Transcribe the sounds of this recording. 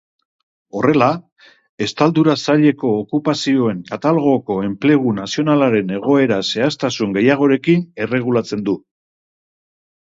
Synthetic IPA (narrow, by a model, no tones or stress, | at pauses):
o̞re̞la | e̞st̪ald̪uɾasaʎe̞ko̞ːkupasio̞e̞ŋkat̪alɣ̞o̞ko̞e̞mple̞ɣunasio̞nalaɾe̞ne̞ɣ̞o̞e̞ɾase̞ast̪asuŋɡe̞jaɣ̞o̞ɾe̞kine̞re̞ɣ̞ulat͡se̞nd̪u